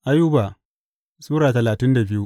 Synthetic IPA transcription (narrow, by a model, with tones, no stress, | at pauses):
ʔa˦ju˦ba˨ | suː˦ɾaː˨tɐ˨laː˨tɪ˦nda˨bɪ˦ju˦ʔ